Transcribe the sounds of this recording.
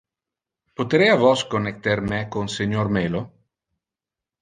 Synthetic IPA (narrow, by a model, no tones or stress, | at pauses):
pot̪ɾeavɔskonːek̚t̪eɾmɛkonseɲormeːlo